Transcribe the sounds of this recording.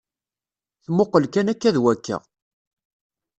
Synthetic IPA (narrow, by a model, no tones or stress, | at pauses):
θmoqːəlkænækːæðwækːə̰ʁ